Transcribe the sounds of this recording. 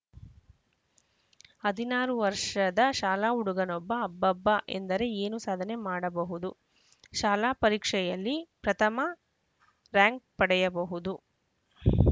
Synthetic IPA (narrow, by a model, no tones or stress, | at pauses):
hɐd̪ʱinaːɾuʋɐɾʂɐd̪ɐʃaːlaːuɽuɡɐnɔbːɐːbːɐbːɐʔe̞̰nd̪ɐɾe̞eːnusaːd̪ʱɐne̞maːɽɐbɐɦud̪u | ʃaːlaːpɐɾiːkʂɛjɐlːipɾɐt̪ʰɐmɐ | ɾaːŋk̚pɐɽɛjɐbɐɦud̪u